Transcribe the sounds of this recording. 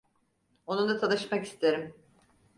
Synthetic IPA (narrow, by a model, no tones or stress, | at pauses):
onund̪at̪ʰanˠɯʃmaki̥st̪ʰe̞ɾim